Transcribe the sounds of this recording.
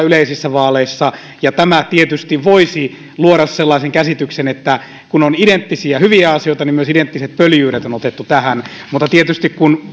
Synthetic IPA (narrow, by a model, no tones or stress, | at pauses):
yleisisːæʋɑːleisːɑ | jɑt̪æmæt̪iet̪yst̪iʋʋoisi | luoɾɑsselːɑiseŋkæsit̪yksenet̪ːæ | kunonident̪ːisiæhyʋiæɑsioit̪ɑnimyøsident̪ːiset̪̚pøljyːɾet̪onot̪et̪ːut̪æhæn | mut̪ːɑt̪iet̪yst̪ikkun